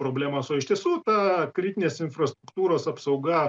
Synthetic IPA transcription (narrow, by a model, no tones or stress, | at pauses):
pɾoːbʲlʲæːmɐsoːɪʃt̪ʲiɛsuːt̪ɐkɾʲɪt̪ʲɪnʲeːsɪnfrɐst̪ɾʊkt̪uːɾoːsɐpsɐʊɡɐ